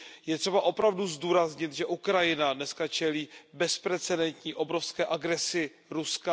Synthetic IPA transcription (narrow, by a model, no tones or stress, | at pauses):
jɛt̪r̥ɛbaʔo̞pɾavduzduːɾazɲɪt̪ʒɛʔukɾajɪnadnɛskat͡ʃɛliːbɛspɾɛt͡sɛdɛnt̪ɲiːʔobɾofskɛːʔaɡɾɛsɪ | ɾuska